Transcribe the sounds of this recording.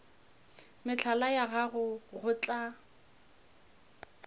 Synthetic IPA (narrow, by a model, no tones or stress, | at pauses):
mɪt͡ɬʰalajaɣaɣʊɣʊt͡ɬʼa